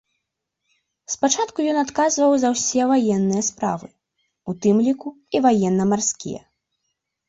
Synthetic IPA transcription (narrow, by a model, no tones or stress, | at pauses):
spat͡ʂat̪kujɔnat̪kazvɐwzɐwsʲɛvajɛnːɨjɐspɾa̰vɨ | ut̪ɨmlʲiku | ivajɛnːɐmarskʲḭjɛ̰